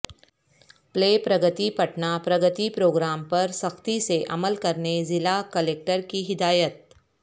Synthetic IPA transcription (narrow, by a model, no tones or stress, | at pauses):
pleːpɾɐɡət̪ipɐʈnapɾɐɡət̪ipɾoːɡɾaːmpɐɾsɐxt̪iseʔɐ̰məlkɐɾnezɪlakəleːk̚ʈəɾkiɦɪd̪aːjət̪̚